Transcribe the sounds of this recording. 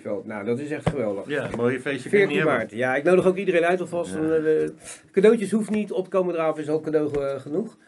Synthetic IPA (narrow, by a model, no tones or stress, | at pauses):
fɛ̰lˠtnawdɑtɪsɛχtχəʋɛlˠdəχamojəfejsəfɪːɹimaːɹtjaɪk̚nowdəχowkidərejnœɥtɔfɑsɔnəkadowtəsɦufnitɔp̚tə̥kowmədraːɔfɪs̬ɑlˠkadowχχənuχ